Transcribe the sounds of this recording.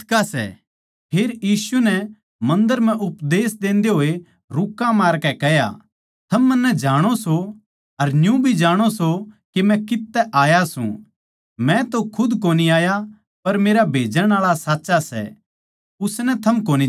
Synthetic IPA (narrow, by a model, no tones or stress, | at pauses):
kasɛ̰ | pʰeːɾjiːsunɛ | mɐ̃nd̪əɾm̤ɛ̃ʔʊpd̪eːsd̪ẽːnd̪eɦoːe | ɾʊkːãmaːɾkɛkɛɦja̰ | t̪ʰɐmːɐnːɛd͡ʒaːɽ̃oso | ɐɾnjũbʱid͡ʒaːɽ̃osokemɛ̃kɪt̪ːɛʔaːjasṵ̃ | mɛ̃t̪okʰʊd̪koːniaːja | pɐɾmeːɾabʱeːd͡ʒəɽ̃aːɭasaːtːʃasɛ̰ | ʊsnɛt̪ʰɐmkoːni